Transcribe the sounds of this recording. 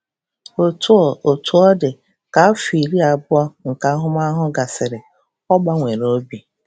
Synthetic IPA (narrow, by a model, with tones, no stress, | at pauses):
o˨tu˦˨o˨tu˨˦ɔ˦dɪ˨ | ka˨˦fi˨ɾi˦a˨bʊ˦ɔ˦ŋ̩˨ka˨a˦ɦʊ˦ma˦ɦʊ˦ɡa˨sɪ˨ɾɪ˨ | ɔ˦ɡ͡ba˦ŋʷe˨ɾo˦bi˨